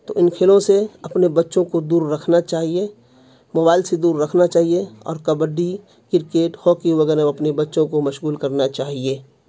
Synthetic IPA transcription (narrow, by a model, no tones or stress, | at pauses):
t̪oʔɪnkʰeːlõseɐpnebɐtːʃõkod̪uːɾːɐkʰnat͡ʃaːɦie | moːbaːɪlsed̪uːɾːɐkʰnat͡ʃaːɦieɔ̰ːɾkɐbəɖi | kɪɾkeːʈhoːkiʋɐɡɛːɾəɐpnebɐtːʃõkomɐʃɣuːlkɐɾnat͡ʃaːɦieː